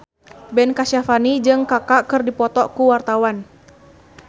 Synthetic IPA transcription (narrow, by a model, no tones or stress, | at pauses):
bɛnkasafanid͡ʒɨŋkakakɨrdipɔt̪ɔkuwart̪awan